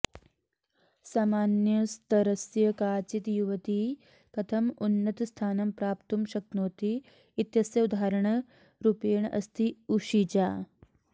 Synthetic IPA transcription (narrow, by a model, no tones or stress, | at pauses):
saːmaːnjɐst̪ɐɾɐsjɐkaːt͡ʃit̪juʋɐt̪i | kɐt̪ʰɐmunːɐt̪ɐst̪ʰaːnɐmpɾaːpt̪umʃɐk̪̚noːt̪iː | t̪jɐsjɐud̪ʱaːɾɐɳɐ | ɾupeːɳʔɐ̰st̪ʰiuʂit͡ʃaː